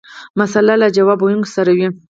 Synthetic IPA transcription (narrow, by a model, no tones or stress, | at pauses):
masalalad͡ʒawɑbojuŋɡsaɾawi